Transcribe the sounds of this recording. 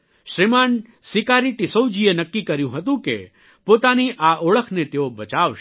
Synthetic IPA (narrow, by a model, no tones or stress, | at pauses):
ʃɾiman | sɪkaɾiʈ̪ɪsəwd͡ʒienəkːikəɾjũɦət̪ũkḛ | pot̪aniʔaʔoɭəkʰnet̪eobət͡ʃaʋʃ